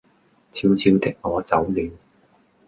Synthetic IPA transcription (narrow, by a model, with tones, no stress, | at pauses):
t͡sʰiː˧wt͡sʰiː˧wt̪ɪ˥k̚ŋɔː˨˧t͡sɐ˨˥wlyː˨˧n